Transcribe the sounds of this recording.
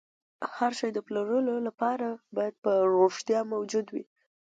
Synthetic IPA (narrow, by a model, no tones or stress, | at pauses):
haɾʃɑjd̪əplaɾəlolapɑɾabɑjad̪̚pəɾoʂt̪jɑmawd͡ʒud̪wi